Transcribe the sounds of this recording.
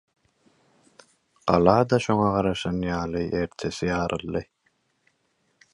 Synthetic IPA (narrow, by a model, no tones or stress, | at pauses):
ɢ̥ɑlˠɑːd̪ɑʃo̞ŋɑʁɑɾɑʃɑnjɑːlˠɯʔe̞ɾt̪ʰe̞sijɑːɾʔɯlˠːɯ